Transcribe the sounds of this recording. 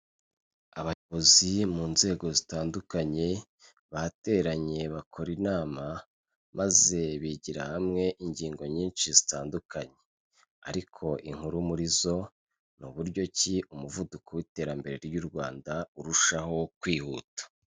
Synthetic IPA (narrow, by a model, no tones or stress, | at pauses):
aβajoβo̞zimuːnze̞ːɡo̞zitaːndukaɲe̞ | βate̞ɾaɲe̞βakʰo̞ɾinaːma | maze̞βiɟiɾa̰hamŋe̞ʔiɲɟiːŋɡo̞ɲiːnʃizitaːndukaɲe̞ | a̰ɾikʰo̞ʔiŋhuɾumuɾizo̞ | nuβuɾɟo̞ciumuvudukowite̞ːɾambe̞ɾe̞ɾjuɾɡwaːndauɾuʃaho̞kwiːhuːtḁ